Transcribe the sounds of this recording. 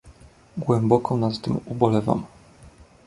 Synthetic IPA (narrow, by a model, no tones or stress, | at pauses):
ɡwɛmbɔkɔ̃w̃nat̪ːɘmubɔlɛva̰m